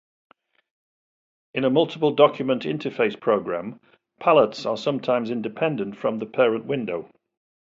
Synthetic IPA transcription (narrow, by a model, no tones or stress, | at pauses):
ɪ̃nəmʌlˠtɪ̥pəlˠdɒkʰjəmə̃ntɪ̃ntʰəfeɪspʰɹ̥oʊɡɹãm | pʰalətsə̰sʌ̃mtʰãɪ̃mzɪ̃ndɪpʰɛ̃ndə̃ntfɹə̃mðəpʰɛːɹə̃nʔwɪ̃ndoʊ